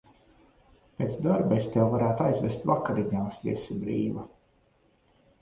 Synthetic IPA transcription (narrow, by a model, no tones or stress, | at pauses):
pʲeːt̪sd̪aɾbest̪ʲewvaɾæːt̪ajzvest̪vakaɾiɲaːsvḭsibɾiːva